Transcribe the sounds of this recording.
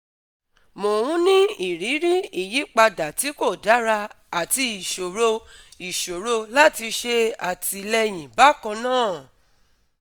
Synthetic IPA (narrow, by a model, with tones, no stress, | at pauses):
mo˨hũ˦nĩ˦i˨ɾi˨˦ɾi˦i˨ji˨˦k͡pa˧da˨ti˨˦ko˦˨da˨˦ɾa˧ | a˨ti˧i˨ʃo˨ɾo˧i˨ʃo˨ɾo˧la˦ti˧ʃe˧a˨ti˧lɛ˧j̃ĩ˨ba˨˦kã˧nãː˦˨